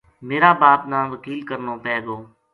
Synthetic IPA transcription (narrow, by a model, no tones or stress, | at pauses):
meːɾaːbaːpnãːʋəkiːlkəɾnõːpɛːɡoː